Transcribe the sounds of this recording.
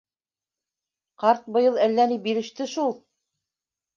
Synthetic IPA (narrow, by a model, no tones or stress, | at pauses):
qɑɾt̪̚bɤ̆jɤlˠælːænibiɾɘ̆ʃt̪ɘʃulˠ